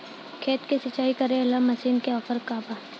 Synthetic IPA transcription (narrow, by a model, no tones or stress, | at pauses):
kʰeːt̪kesɪt͡ʃːaːikɐɾẽɪlamɐsiːnkeɔːpəɾkaːba